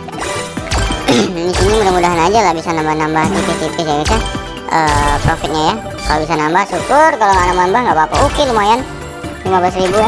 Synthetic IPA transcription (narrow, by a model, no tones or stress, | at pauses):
disinimudahmudaɦanad͡ʒalahbisanambahnambaht̪ipit̪ipis̬ajabisa | ʔəːpɾofɪt̪̚ɲaja | kalobisanambahsukʊrkaloŋanamambahŋɡaʔpapaukɪlumajan | limablas̬ɾibu